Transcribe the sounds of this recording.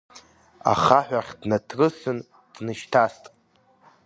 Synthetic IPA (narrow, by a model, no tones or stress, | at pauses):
a̰χaħʷᶣaχʲdnatʰrɨsɨn | d̥nɨʃtʰastʼ